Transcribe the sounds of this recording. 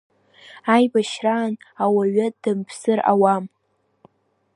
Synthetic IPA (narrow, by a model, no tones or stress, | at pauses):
ajbaʃraːnawaɥad̥ɨmpʰsɨra̰wam